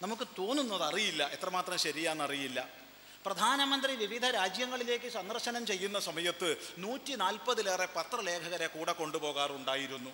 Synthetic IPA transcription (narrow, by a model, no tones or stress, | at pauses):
nɐmukːɨt̪o̞ːnːunːɐðɐrijilːɐʔe̞t̪rɐmaːt̪rɐmɕɐɾijaːnːɐrijilːɐ | prɐd̪ʱaːnɐmɐnd̪riʋiʋid̪ʱɐɾaːd͡ʑjɐŋːɐɭile̞ːkːɨsɐnd̪ɐrɕɐnɐmt͡ɕe̞jːunːɐsɐmɐjɐt̪ːɨnuːtːinaːlpɐðɨleːrepɐt̪rɐle̞ːkʰɐɣɐɾekuːɽɐkːo̞ɳɖupo̞ːɣaːruɳɖaːjiɾunːu